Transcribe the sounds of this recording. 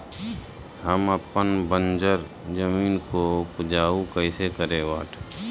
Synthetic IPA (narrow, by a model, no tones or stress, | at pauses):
həməpənbə̃nd͡ʒəɾ | d͡ʒəmiːnkopʊd͡ʒaːukəɪsekəɾẽʋaːʈʰ